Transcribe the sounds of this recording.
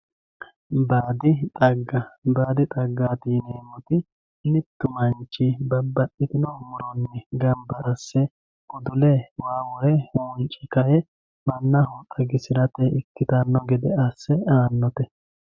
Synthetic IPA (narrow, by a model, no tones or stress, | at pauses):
baːd̪ɪt̪ʼɐɡːɐbaːd̪ɪt̪ʼɐɡːaːt̪ineːmɔt̪ɪ | nɪt̪ːʊmɐnt͡ʃːibɐbːɐɗɪt̪ɪnɔmʊɾɔnːɛɡɐmbɐɐsːɛ | ʊd̪ʊlɛwaːwɔjɛhuːnt͡ʃʼɪkɐjɛ | mɐnːɐhuːt̪ʼːɐɡɪsɪɾɐt̪ɛʔɪkːɪt̪ɐnːɔɡɛd̪ɛɐsːɛaːnːɔt̪ɛ